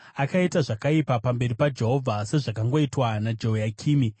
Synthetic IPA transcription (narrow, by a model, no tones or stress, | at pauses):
akaitaʐakaipapambe̞ripad͡ʒe̞ɦo̞vʱase̞ʐakaŋɡo̞itwanad͡ʒo̞jakʰiːmi